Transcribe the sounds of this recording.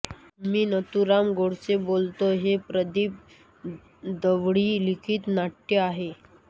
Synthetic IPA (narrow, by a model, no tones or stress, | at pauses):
miːnət̪uɾamɡoɽsebolt̪oɦepɾəd̪iːp̚ | d̪əʋɽiːlikʰiːt̪naʈːeaɦe